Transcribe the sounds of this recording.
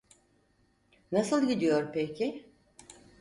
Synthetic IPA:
nasɯlˠɟid̪ijo̞ɾpecʰɪ

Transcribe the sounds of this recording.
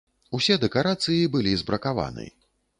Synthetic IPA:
usʲɛd̪ɛkaɾat̪sɨjibɨlʲizbɾʔɐkava̰nɨ̰ji

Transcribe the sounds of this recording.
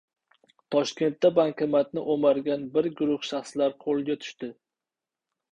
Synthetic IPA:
t̪ʰɒʃkʲe̞nt̪ːabaŋkʲʰamat̪̚nɪʔomaɾɡʲanbɪɾɡʊɾʊχʃaχslaɾqʰolˠɡʲat̪ʰʊ̥ʃt̪ɪ

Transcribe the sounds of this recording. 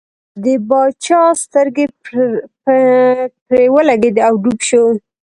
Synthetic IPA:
d̪əbɑt͡ʃɑst̪əɾɡep | pɾewəlaɡed̪əawɖubʃo

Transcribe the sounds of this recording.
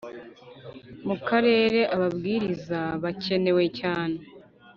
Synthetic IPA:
mukaɾe̞ːɾe̞ʔaβabɡiːɾizaβace̞ne̞we̞caːne̞

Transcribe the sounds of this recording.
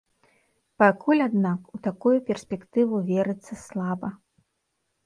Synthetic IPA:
pakulʲad̪nakut̪akujupʲɛrsʲpʲɛkt̪ɨvuvʲɛɾɨt̪sːɐslˠabɐ

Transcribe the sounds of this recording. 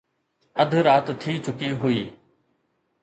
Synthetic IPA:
ɐd̪ʱɾaːt̪t̪ʰiːt͡ɕʊkiɦʊiː

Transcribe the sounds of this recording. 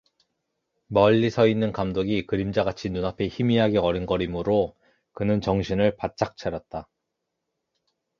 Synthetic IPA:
mʌʎːisʰʌinːɯnkamdoɡikɯɾimd͡ʑaɡat͡ɕʰinunapʰe̞çimiɦaɡeʌɾinɡʌɾimɯɾo | kɯnɯnt͡ɕʌŋɕʰinɯɭpat̚t͡ɕ͈ak̚t͡ɕʰaɾjʌt̚t͈a

